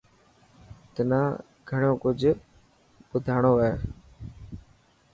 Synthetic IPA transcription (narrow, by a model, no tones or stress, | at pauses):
t̪ənãː | ɡʱəɳõːkʊd͡ʒʱ | ɓʊd̪ʱaːɳoːeː